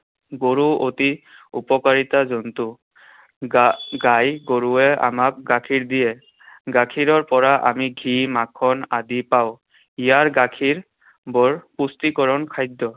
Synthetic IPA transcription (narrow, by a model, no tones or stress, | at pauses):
ɡoɹuoti | ṵpɔkaɹitazɔntu | ɡajɡoɹuɛa̰mak̚ɡakʰiɹdijɛ | ɡakʰiɹɔɹpɔɹaʔa̰miɡʱimakʰːɔnadipaw | ijaɹɡakʰiɹ | bɔɹpustikɔɹɔnkʰajdːɔ